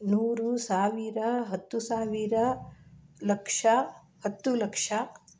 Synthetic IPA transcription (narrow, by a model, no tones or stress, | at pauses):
nuːɾusaːʋiɾɐɦɐt̪ːusaːʋiɾɐ | lɐkʂɐ | hɐt̪ːulɐkʂɐ